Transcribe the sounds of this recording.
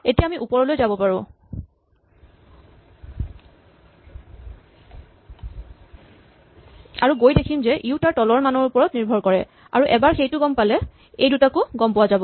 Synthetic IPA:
etijaːmiʔupɔɹɔlojzabɔpaɹʊ̃ | aɹuɡojdekʰimzɛʔiʊtaɹtɔlɔɹmanɔɹupɔɹɔtniɹbʱɔɹkɔɹɛ | a̰ɹuʔɛbaɹxejtʊɡɔmpalɛ | ejdutakʊɡɔmpʊwazabɔ

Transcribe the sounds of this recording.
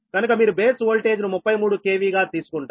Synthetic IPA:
ɡɐnukɐmiːɾube̞ːsʋoːlʈe̞ːd͡ʒnumupːɐjmuːɽuke̞ːʋiːɡaːt̪iːsu̥kuɳʈa

